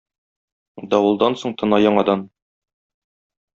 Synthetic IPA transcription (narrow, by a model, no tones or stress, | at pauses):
d̪ɒwɤ̆lˠd̪ɑnsoɴt̪ɤ̆nɑjɒɴɑd̪ɑn